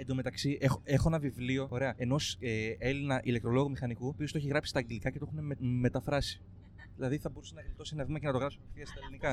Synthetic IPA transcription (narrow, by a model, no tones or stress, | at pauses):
end̪ome̞t̪ɐksiʔexoe̞xonɐvivlio̞o̞ɾe̞ɐe̞no̞see̞linɐʔile̞k̚t̪ɾo̞lo̞ɣumixɐnikuopiost̪oeçiɣɾɐpsi̥st̪ɐːŋɡelikɐce̞t̪o̞uneme̞t̪ɐfɾɐsi̥ | ðilɐðiθɐbo̞ɾusenɐvelt̪o̞sinɐvimecenɐt̪o̞ɣɾɐpsumfθiɐst̪ɐelinikɐ